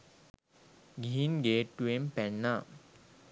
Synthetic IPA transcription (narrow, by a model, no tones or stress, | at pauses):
ɡiɦinɡeːʈːuempænːa